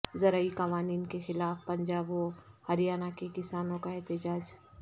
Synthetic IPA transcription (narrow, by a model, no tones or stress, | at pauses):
zɐɾaikɐʋaːniːnkexɪlaːfpɐ̃ɲd͡ʒaːbõhɐɾijaːnakekɪsaːnõkaɛɦt̪ɪd͡ʒaːd͡ʒ